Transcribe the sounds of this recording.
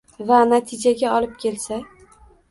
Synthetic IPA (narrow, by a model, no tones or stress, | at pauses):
vanat̪ʰɪd͡ʒaɡʲaɒlɪp̚kʲʰe̞lsa